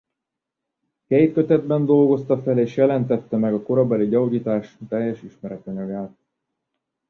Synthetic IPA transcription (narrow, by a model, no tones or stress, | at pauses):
kɛjt̪kø̞t̪ɛd̪̚bɛnd̪o̞lɡo̞st̪ɒfɛleːʃjɛlɛnt̪ɛt̪ːɛmɛɡɒko̞ɾɒbɛliɟɒuɟiːt̪aːʃt̪ɛjːɛʃiʃmɛɾɛt̪ɒɲɒɡaːt̪̚